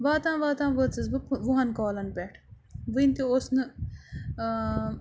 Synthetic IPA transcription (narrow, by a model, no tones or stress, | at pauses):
ʋaːt̪ãːʋaːt̪ãːʋət͡sɨsbɨpʋuɦɐnkoːlɐnpeʈʰ | ʋɨnt̪iosnɨ